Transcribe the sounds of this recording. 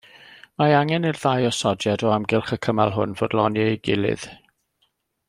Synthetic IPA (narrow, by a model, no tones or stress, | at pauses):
maaŋɛnɪrðajɔsɔdjadɔamɡɪlˠχəkʰəmalˠɦʊ̰nvoːdlˠɔnjɛɡɪlˠɨ̰ð̥